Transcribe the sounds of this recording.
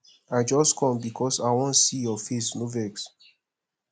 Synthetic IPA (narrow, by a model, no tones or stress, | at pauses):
aɪd͡ʒɔstkʰɔ̃mbikʰɔsaɪwɔ̃nsijɔfesnovɛks